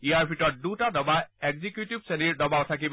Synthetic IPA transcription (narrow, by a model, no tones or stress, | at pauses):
iaɹpʰitɔt̚dutadɔbaeɡzikjutibseniɹdɔbaʊtʰak̬ib